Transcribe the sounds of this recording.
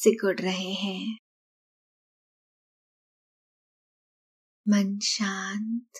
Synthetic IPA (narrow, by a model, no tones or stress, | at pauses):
sɪkəɽɾɐɦeɦɛ̃ː | mənʃaːnt̪